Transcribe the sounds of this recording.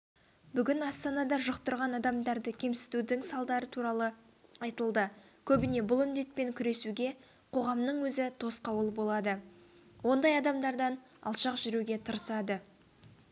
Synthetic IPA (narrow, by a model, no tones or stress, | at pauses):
bʏɡʲɪnɑst̪ɑnɑd̪ɑʒəqt̪əɾʁɑnɑd̪ɑmd̪ɑɾd̪əkʲʰe̞msɪ̥t̪ud̪ɪŋsɑlˠd̪ɑɾət̪ʰuɾɑlˠə | ɑjt̪əlˠd̪əkʲʰɵbɪne̞bʊlˠʏnd̪e̞t̪̚pe̞ŋkʲʰʏɾe̞suɡʲe̞ | qʰo̞ʁɑmnəɴwɵzɪt̪ʰo̞sqɑwəlˠbo̞lˠɑd̪əwo̞nd̪ɑjɑd̪ɑmd̪ɑɾd̪ɑn | ɑ̰lˠʃɑqʒʏɾuɡʲe̞t̪ʰəɾəsɑd̪ə